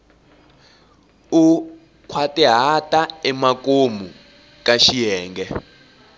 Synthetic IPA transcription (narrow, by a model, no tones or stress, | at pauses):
u | kʰwatɛɦatʼaɛmakʼomu | kʼaʃijɛːŋɡɛ